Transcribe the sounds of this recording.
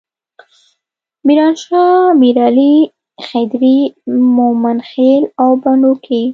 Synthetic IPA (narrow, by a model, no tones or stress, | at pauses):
miɾɑnʃɑmiɾɑli | xed̪ɾimomanxelawbaɳɖukʰi